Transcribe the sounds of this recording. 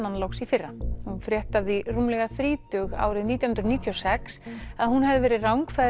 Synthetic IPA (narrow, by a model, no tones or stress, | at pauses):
anlowksifɪrːahunfɾjɛht̪avðirumlɛɣaθɾiːt̪ʏɣa̰ːwɾɪðniːt̪jahʏnɾniːt̪ʰjɔsɛksaðɦunɦɛvðɪvɛːɾɪðrawŋkfa